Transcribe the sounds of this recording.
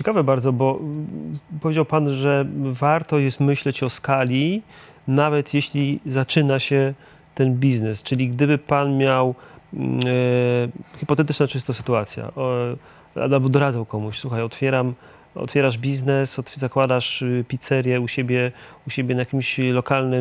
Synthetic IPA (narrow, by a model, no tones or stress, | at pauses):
t͡ɕɛkavɛbaɾd̪zɔbɔ | pɔvʲed͡ʑawpanʐɛvaɾt̪ɔjɛst̪mɘɕlɛt͡ɕɔskalʲi | navɛt̪jeɕlʲizat͡ʂɘnaɕɛ | t̪ɛnbʲiznɛst͡ʂɘlʲiɡd̪ɘbɘpanmʲjaw | xipɔt̪ɛt̪ɘt͡ʂnat͡ʂɘst̪ɔsɘ̥t̪uat̪sʲja̰ | ɾa̰d̪abɘd̪ɔɾad̪zawkɔmuɕswuxajɔt̪fʲjɛɾam | ɔ̰t̪fʲjɛɾaʐbʲiznɛsɔt̪zakwad̪aʂpʲit̪sɛɾʲjɛuɕebʲjɛuɕebʲjɛnajakʲimɕlɔkalnɘ